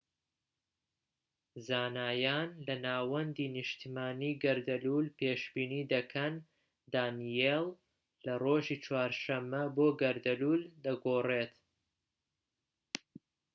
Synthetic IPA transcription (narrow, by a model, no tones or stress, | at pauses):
zaːnaːjaːnlɐnaːwɐnd̪iːnɨʃt̪ʰimaːniːɡɐɾd̪ɐluːlpeːʃbiːniːd̪ɐkʰɐn | d̪aːnijel | lɐroːʒiːt͡ʃwaːɾʃɐmːɐboːɡɐɾd̪ɐluːld̪ɐɡoːreːt̪